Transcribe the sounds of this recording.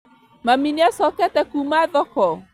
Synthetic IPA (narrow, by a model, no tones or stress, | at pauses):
maminiasɔkɛt̪ɛkumaðɔkɔ